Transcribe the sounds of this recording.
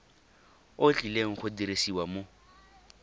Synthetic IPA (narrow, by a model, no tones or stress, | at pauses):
ot͡ɬʼileŋ̩χʊdiɾesiwamo